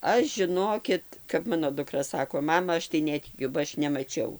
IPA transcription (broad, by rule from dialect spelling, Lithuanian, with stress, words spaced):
ˈɐʃ ʒʲɪˈnoːkʲɪt kɐp ˈmɑːnoː dʊˈkrɐ ˈsɑːkoː ˈmɑːmɐ ˈɐʃ tɐɪ ˈnʲæːtʲɪkʲʊ bɐ ˈɐʃ nʲɛmɐˈt͡ʃʲɛʊ